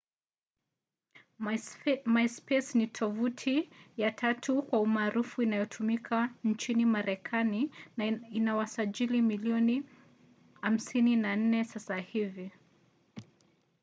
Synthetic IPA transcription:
maspɛsnitʰɔvutʰijatʰatʰukwaumaːɾufuinajɔtʰumikʰant͡ʃinimaɾɛkʰani | inawasaʄilimiliɔni | ham̩sininan̩nɛsasahivi

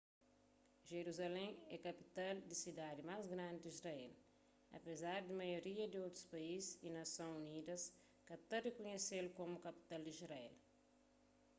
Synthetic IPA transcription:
ʒeɾuzalẽɛkɐpi̥t̪ald̪isid̪ad̪imazɡɾãnd̪id̪izrɐɛl | ɐ̰pezaɾd̪imɐjoɾiɐd̪iowt̪ɾu̥spɐizsinɐsõunid̪ɐs | kɐt̪ɐrekuɲeselukomukɐpi̥t̪ald̪izɾɐɛ̰l

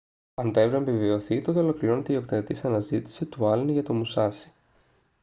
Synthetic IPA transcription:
ɐnt̪ɐevɾoemvivio̞θit̪o̞t̪e̞o̞lo̞kliɾo̞ne̞t̪e̞io̞kt̪et̪isɐnɐzit̪i̥sit̪uɐlnʝɐt̪omusɐsi̥

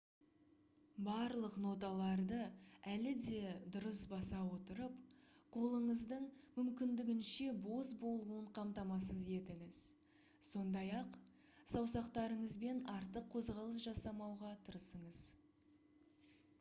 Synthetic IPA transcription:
bɑɾlˠəqno̞t̪ɑlˠɑɾd̪əælɪd̪e̞d̪ʊɾəsbɑsɑwo̞t̪əɾəp | qʰo̞lˠəɴəzd̪əɴmʏmkʲɪnd̪ɪɡʲɪnʃe̞bo̞zbo̞lˠuəɴqʰɑmt̪ɑmɑs̬əzje̞t̪ɪŋɪz̥ | so̞nd̪ɑjɑq | sɑwsɑqt̪ɑɾəɴəzbe̞nɑɾt̪əqʰːo̞zʁɑlˠəs̬ʒɑsɑmɑwʁɑt̪ʰəɾəsəɴəz̥

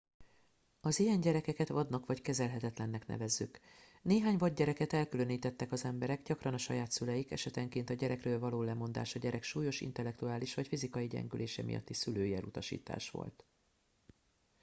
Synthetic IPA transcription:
ɒzijɛɲɟɛɾɛkɛkɛt̪ʋɒd̪nɒkʋɒckɛzɛlɦɛt̪ɛt̪lɛnːɛknɛ̰vɛzːy̰k | neːɦaːɲvɒɟːɛɾɛkɛt̪ɛlkyløniːt̪ɛt̪ːɛkɒzɛmbɛɾɛɡɟɒkrɒnɒʃɒ̰jaːt̪sylɛjikɛ̰ʃɛt̪ɛŋkeːnt̪ɒɟɛɾʔɛkrøːlvɒloːlɛmo̞nd̪a̰ːʃɒɟɛɾɛkʃuːjo̞ʃḭnt̪ɛlːɛk̚t̪uaːliʃʋɒcfizikɒjiɟɛ̰ŋɡyleːʃɛ̰mḭjɒ̰t̪ːisyløːjiɛlut̪ɒʃḭːt̪a̰ːʃʋo̞̰lt̪

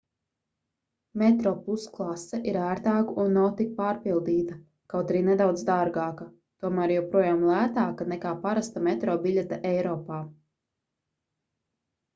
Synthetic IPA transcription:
mɛt̪ɾɔːpusklˠasɛʔiɾæːɾt̪aːkuʔunːawt̪ik̚paːɾpilˠd̪iːt̪ɐ | kawt̪aɾiːnɛd̪awd̪zd̪aɾɡaːkɐ | t̪uɔmæːɾjɛwpɾuɔjaːmlˠæːt̪aːkanɛkaːpaɾast̪amɛt̪ɾɔːbiʎʲɛt̪aʔɛjɾɔːpaː

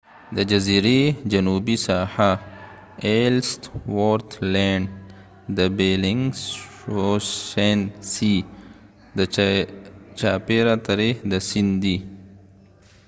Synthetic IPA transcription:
d̪əd͡ʒɐziɾed͡ʒɐnubisaha | elstwoɾt̪ʰleɳɖ | d̪əbelɪŋɡ | oensi | d̪ə | t͡ʃaːpeɾat̪ɐɾehd̪əsind̪i

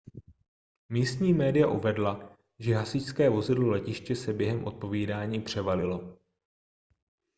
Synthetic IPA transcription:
miːst̪ɲiːmɛːdɪjaʔuvɛdla | ʒɛɦasɪcskɛːvo̞zɪdlolɛcɪʃcɛsɛbjɛɦɛmʔo̞̰t̪̚po̞viːdaːɲiːpr̝̥ɛvalɪlo̞

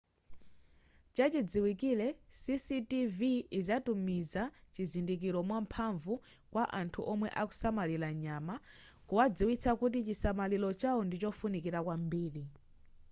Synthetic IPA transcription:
t͡ʃat͡ʃid͡ziwikilɛsisitiviːzatumizat͡ʃizindik̬iɾɔmwampʰaɱvu | kwaʔantʰuʔɔmwɛʔaku̥samalilaɲama | kuwad͡ziwit͡sʰakut̬it͡ʃisamalilɔt͡ʃawɔndit͡ʃɔfunikiɾakwambiːɾi

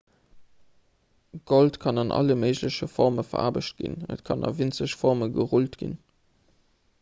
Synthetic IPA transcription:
ɡ̥oltkʰɑnɑnʔɑ̰ləməɪʑləɕəfɔʁməfɐ̰ʁa̰ːbəɕt̚ɡ̥ḭnə̰tkʰɑnɑ̰vint͡səɕfɔʁməɡəʁultɡ̥ḭn

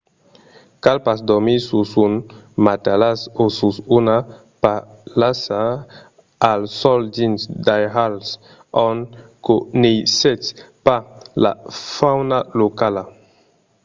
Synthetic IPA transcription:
kalpasd̪ɔmisusunmat̪alasosusuna | pa | lasa | alsɔld͡ʒinsd̪ajɦals | ɔnkonejsɛtpala̰fawnalokala

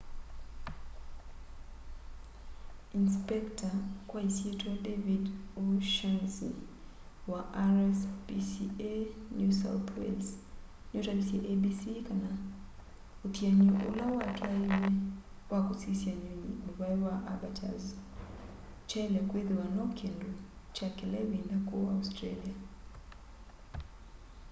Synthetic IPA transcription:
inspɛktakwaisiɛtuwadɛvidɔʃansḭ | waʔaɾɛspisiɛnusa̰wtwɛ̰ls | nutabisiʔɛbisikana | utiaɲiʔṵlawatʰaivɛ | wakusisiaɲuɲḭmuβaiwaʔabatʰa̰z | t͡ʃɛlɛkwiðiwanɔkʰɛndu | t͡ʃakɛlɛvinakuaustɾalia

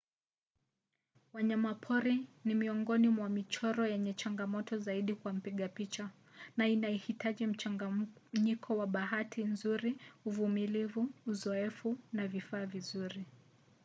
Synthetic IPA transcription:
waɲamapʰɔɾinimiɔŋɡɔnimwamit͡ʃɔɾɔjɛɲɛt͡ʃaŋɡamɔtɔzaiɗikwam̩piɠapit͡ʃa | nainaɛhitaʄim̩t͡ʃaɲikʰɔwaɓaɦatʰinzuɾiuvumilivuːzɔɛfunavifaːvizuɾi

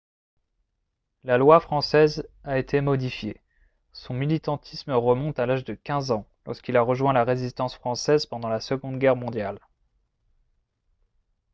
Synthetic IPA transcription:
lalwafχɑ̃sɛzaet̪ʰemɔd̪ifje | sɔ̃milit̪ɑ̃t̪ʰisməʁəmɔ̃t̪alaʒd̪əkʲɛ̃zɑ̃lɔʁskilaʁəʒwɛ̃laʁezist̪ɑ̃sfχɑ̃sɛzpɑ̃d̪ɑ̃lasəɡɔ̃d̪ɡʲɛʁmɔ̃d̪jal

